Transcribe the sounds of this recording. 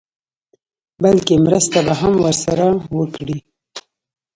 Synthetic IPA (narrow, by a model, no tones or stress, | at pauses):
balkemɾəst̪abaɦamwəɾsaɾawəkɽi